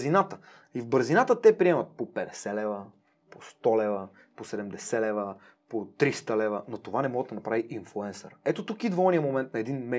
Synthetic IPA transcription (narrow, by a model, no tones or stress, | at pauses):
zinat̪ə̥ | ivbəɾzinat̪ət̪ɛpɾiɛmɐt̪̚popɛd̪ɛsɛlɛvə | post̪ɔlɛvə | posɛd̪ɛmd̪ɛsɛlɛvə | pot̪ɾist̪əlɛvənot̪ovanɛmɔɡəd̪ɐnɐpɾaviʔinflˠuɛnsə̰ɾɛt̪ot̪ukid̪vɔnijəmomɛnt̪̚nɐɛd̪inmɛ